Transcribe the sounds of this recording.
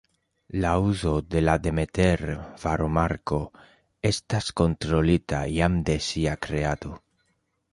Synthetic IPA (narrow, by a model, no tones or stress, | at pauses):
lauzod̪elad̪emet̪eɾfaɾomaɾko | est̪askont̪ɾolit̪a̰jamd̪esiakɾead̪u